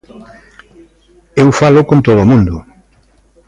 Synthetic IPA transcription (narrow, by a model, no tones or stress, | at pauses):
ewfalʊkõnt̪oðomũnd̪ʊ